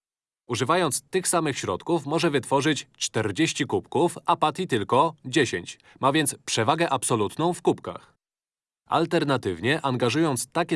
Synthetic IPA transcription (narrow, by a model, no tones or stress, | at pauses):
uʐɘvajɔnt̪st̪ɘxsamɘxɕɾɔ̰t̪kufmɔʐɛvɘt̪fɔʐɘt͡ɕt͡ʂt̪ɛɾd͡ʑeɕt͡ɕikupkufapat̪ʲit̪ɘlkɔd͡ʑeɕeɲt͡ɕ | mavʲjɛnt̪spʂɛvaɡɛʔapsɔlut̪nɔ̃w̃fkupka̰x | a̰lt̪ɛɾnat̪ɘvɲɛʔaŋɡaʐujɔnt̪st̪akʲɛ